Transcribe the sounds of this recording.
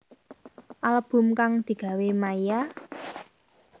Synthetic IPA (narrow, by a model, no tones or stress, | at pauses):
ʔaləb̥ʊ̤mkaŋd̪̥i̤ɡ̥a̤wemaija